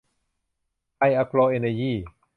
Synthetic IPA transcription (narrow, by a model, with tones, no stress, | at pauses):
a˧jʔa˧klɔː˧ʔe˧na˧jiː˥˩